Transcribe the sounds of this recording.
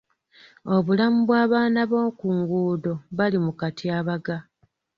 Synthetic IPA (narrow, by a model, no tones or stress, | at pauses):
o̞βulamuβwaːβaːnaβoːkuŋɡuːdo̞βalimukatiaːβaɡa